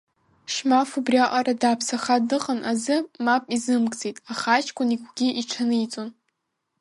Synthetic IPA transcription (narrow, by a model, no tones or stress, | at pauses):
ʃmafubrjaʔʼaɾadaːpʰsaχadɨqʼənʔazɨmapʼizɨmkʼt͡sʼetʼaχat͡ʃʰʼkʷʰʼʊnikʷɡʲiʔiʈ͡ʂʰanɨit͡sʼon